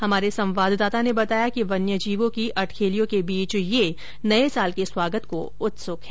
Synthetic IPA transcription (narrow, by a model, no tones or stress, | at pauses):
hɐmaːɾesɐ̃mʋaːd̪ʱd̪aːt̪anebɐt̪aːjakiʋɐnjəd͡ʒiːʋõkiʔɐʈʰkʰeːlijõkebiːt͡ʃje | nɐesaːlkeswaːɡət̪ko | ʊt̪sʊkɦɛː